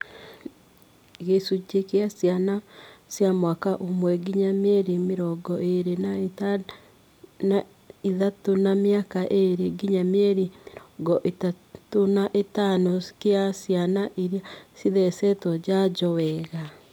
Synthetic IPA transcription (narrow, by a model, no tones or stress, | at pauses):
eɣesud͡ʒekeasjanasjamwakaʔomwɛɡiɲamɛɾimeɾɔɡɔʔeɾena | a | iðatonamjakaʔeɾeɡiɲamɛɾiɾɡɔʔeta | tonaʔetanokeasjanaʔeɾiasiðɛsɛtɔd͡ʑaɟɔwɛɣa